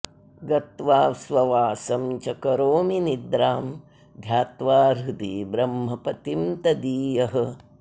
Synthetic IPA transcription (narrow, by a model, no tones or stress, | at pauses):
ɡɐt̪ʋaːsʋɐʋaːsɐmt͡ʃɐkɐɾoːminid̪ɾaːm | d̪ʱjaːt̪ʋaːɾud̪iːbɾɐmɦɐpɐt̪imt̪ɐd̪iːjɐɦɐ